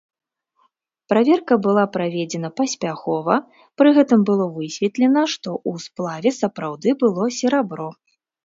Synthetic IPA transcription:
pɾavʲɛrkɐbɨlˠapɾavʲɛd͡zʲɛnɐpɐsʲpʲaxɔvɐ | pɾɨɣɛt̪ɨmbɨlˠɔvɨsʲvʲɛt̪lʲɛnɐʂt̪ɔʔusplˠavʲɛsɐpɾawd̪ɨbɨlˠɔsʲɛɾabɾɔ

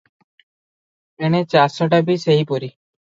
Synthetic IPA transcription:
ɛɽ̃ɛt͡ʃasɔʈabiseɦipɔɾi

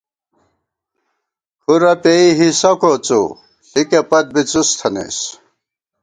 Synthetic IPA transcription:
huɾɐpeiɦisɐkot͡sṵ | ikepɐt̪̚bit͡sust̪ʰɐnḛs

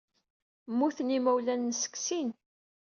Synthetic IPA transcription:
mːuθənimæwlænːsə̥ksin

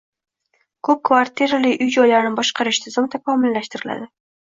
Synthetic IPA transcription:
kʰɵp̚kʰvaɾt̪ʰiɾalɪʔʊjd͡ʒɒjlaɾnɪbɒʃqʰɑɾɪʃt̪ʰɪzɪmt̪ʰakʰɒmɪlːaʃt̪ɪɾɪla̰d̪ɪ

